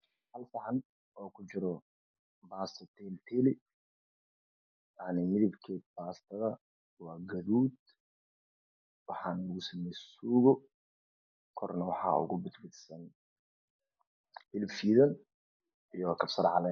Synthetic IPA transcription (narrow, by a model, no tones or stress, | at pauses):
hɐlfɑʕɑn | ɔːkʰʊt͡ʃɪɾɔ | baːst̪ʰɐt̪ʰɛlt̪ʰɛːlɪ | jaʕnɪmɪðɪbkʰɛːd̪̚baːst̪ʰɐðɐ | wɑːɡɐðuːd̪ | wɑħɑːnlʊɣʊsɐmɛjsuːɣɔ | kʰɔrnɐwɑħɑ̰ːʊ̰ɣʊbɪd̪bɪd̪sɐn | hɪlbfiːðɐn | ijɔkʰɐbsɐɾʕɑlɛn